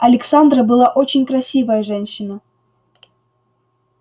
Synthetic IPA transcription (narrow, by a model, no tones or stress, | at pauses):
ɐlʲɪksand̪rəbɨlˠaʔot͡ɕɪnʲkɾɐsʲivəjəʐɛnʲɕːɪnə